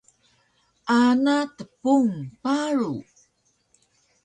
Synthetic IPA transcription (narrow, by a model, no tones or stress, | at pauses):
ʔanatəpuŋpaɾu